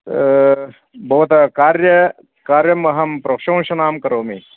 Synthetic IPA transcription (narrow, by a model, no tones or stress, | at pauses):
bʱɐʋɐt̪ɐkaːɾjɐ | kaːɾjɐmɐɦɐmpɾɐkʂɐ̃w̃ʃɐnaːmkɐɾoːmi